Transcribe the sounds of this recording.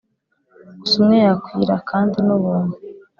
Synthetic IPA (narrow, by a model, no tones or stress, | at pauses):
usumŋejakwiːɾa̰kʰaːndinuβuːnu